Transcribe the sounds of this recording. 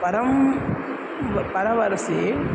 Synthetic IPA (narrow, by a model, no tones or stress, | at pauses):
pɐɾɐm | ʋɐpɐɾɐʋɐɾɐseː